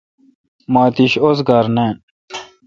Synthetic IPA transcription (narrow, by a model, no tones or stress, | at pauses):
maːt̪iɕosɡaɾnen